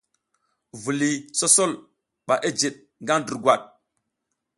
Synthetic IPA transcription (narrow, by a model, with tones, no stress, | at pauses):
vu˨li˨so˦so˦l | ɓa˨ʔe˦d͡ʒe˨ɗ̚ | ŋɡa˦ndu˨ɡwa˨ɗ̚